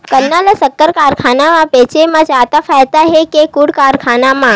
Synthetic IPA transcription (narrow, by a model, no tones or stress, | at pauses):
kənːaləsəkːəɾkaɾkʰanamãpet͡ʃemãd͡ʒat̪afʰajt̪aɦekekuɽkaɾkʰanamã